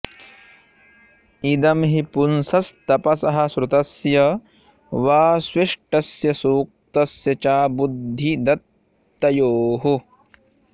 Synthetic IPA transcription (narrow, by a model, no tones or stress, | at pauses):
id̪ɐmɦipunsɐst̪ɐpɐsɐɦɐ̆sɾut̪ɐsjɐ | ʋaːswiʂʈɐsjɐsuːk̚t̪ɐsjɐt͡ʃaːbud̪ʱːid̪ɐt̪ː | ɐjoːɦu